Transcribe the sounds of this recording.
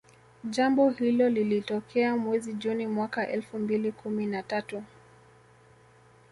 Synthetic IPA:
ʄambɔhilɔlilitɔkʰɛamwɛziʄunimwakaʔɛlfumbilikuminatatu

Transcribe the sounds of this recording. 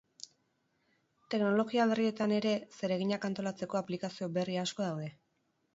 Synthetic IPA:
t̪e̞kno̞lo̞ɣiaβe̞rie̞t̪ane̞ɾe̞se̞ɾe̞ɣ̞iɲakant̪o̞lat͡se̞ko̞aplikasio̞be̞riasko̞ðawðe̞

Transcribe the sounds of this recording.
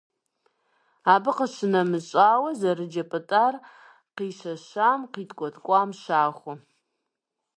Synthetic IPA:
aːbɨqəʃɨnɐmɨɕʷʼaːwɐzɐrɨd͡ʒɐpʼɨtʼar | qiːʃɐʃaːmqiːtʰʼkʷʼɔtʰʼkʷʼaːmʃaːχʷʊ

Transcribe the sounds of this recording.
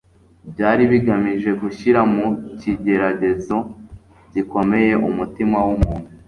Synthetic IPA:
bjaːɾiβiɡamiʒe̞ɡuʃiɾamuciɟe̞ɾaɟe̞zo̞ | ɟiko̞me̞je̞ʔṵmutimawumuːn̥hu

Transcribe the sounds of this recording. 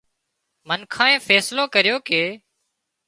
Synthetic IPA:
mənkʰãːẽːfɛːslõːkəɾjoːkeː

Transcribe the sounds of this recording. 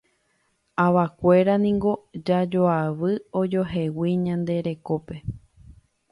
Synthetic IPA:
aʋakʷe̞ɾanĩŋɡo̞d͡ʒad͡ʒo̞aʋɨod͡ʒo̞ɦe̞wiɲãnd̪e̞ɾe̞ko̞pe̞

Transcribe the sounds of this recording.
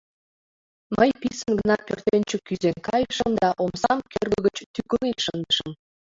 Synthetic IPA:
məjpisənɡənɑpørt̪enʲt͡ɕekyzeŋkɑjʃəmd̪ɑʔomsɑmkørɡəɡət͡ɕt̪ykəliʃənd̪əʃəm

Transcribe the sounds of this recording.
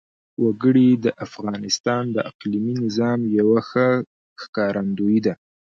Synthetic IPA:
waɡəɽid̪əʔafɣɑnɪst̪ɑnd̪əʔaqliminɪzɑmjawaxə | xkɑɾʔand̪ojid̪a

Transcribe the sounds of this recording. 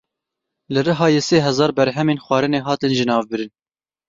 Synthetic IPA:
lɨrɨɦɑːjeːseːɦɛzɑːɾbɛɾɦɛmeːnxʷɑːɾɨneːɦɑːt̪ɨnʒɪnɑːvbɨɾɨn

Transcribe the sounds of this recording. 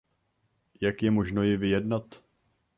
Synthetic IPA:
jakjɛmo̞ʒnojɪvɪjɛdnat̪

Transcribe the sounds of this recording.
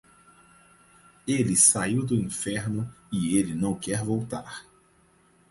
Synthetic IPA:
elɪsaiwd̪ʊĩfɛɾnʊɪelɪnɐ̃w̃kɛɾvowt̪aɾ

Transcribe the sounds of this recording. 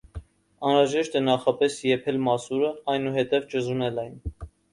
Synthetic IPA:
ɑnɾɑʒɛʃt̪ɛnɑχɑpɛsjɛpʰɛlmɑsuɾəɑjnuɦɛt̪ɛvt͡ʃəzunɛlɛjn

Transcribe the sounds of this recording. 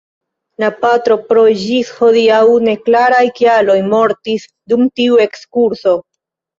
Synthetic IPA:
lapatɾo̞pɾo̞ʒisho̞diawne̞klaɾajkialo̞jmo̞ɾtis | dumtiue̞kskuɾso̞

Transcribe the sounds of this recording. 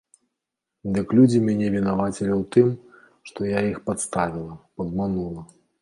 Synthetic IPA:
d̪ɨklʲud͡zʲimʲanʲɛvʲinavat͡sʲilʲiwt̪ɨm | ʂt̪ɔjaixpat̪st̪avʲilˠɐpɐd̪manulˠɐ

